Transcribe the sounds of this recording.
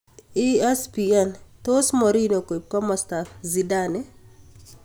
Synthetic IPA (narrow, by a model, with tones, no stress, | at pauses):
iɛ˦spiɛnto˦smɔ˨ɾi˦no˨ko˨p̚ka˦mɔ˨sta˨fzidanɛ˦